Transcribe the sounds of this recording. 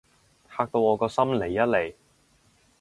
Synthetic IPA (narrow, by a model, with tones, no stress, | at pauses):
haː˧k̚t̪o˧wɔː˨˧kɔː˧sɐ˥mle˨˩jːɐ˥t̚le˨˩j